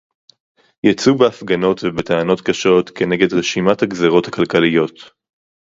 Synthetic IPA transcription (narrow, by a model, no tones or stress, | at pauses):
jat͡subeafɡano̞tvebeteano̞tkaʃo̞tkʰe̞neɡe̞dʁeʃimathaɡzeʁo̞thakalkalijo̞t